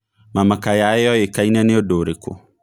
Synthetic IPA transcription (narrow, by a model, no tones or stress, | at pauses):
mamakajaejɔjekainɛneodoɾeko̰